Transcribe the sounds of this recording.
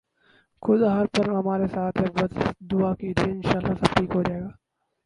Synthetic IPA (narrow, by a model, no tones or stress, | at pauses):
kʰʊd̪ɦɐɾpɐɾɦɐmaːɾesaːt̪ʰebɐd̪ʊakid̪eːɪnʃaːlːasɐbʈiːkɦod͡ʒaːeːɡaː